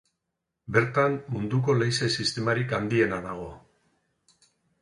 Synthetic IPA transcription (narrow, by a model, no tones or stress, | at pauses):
be̞ɾt̪ammund̪uko̞lejse̞sist̪e̞maɾikand̪ie̞naðaɣ̞o̞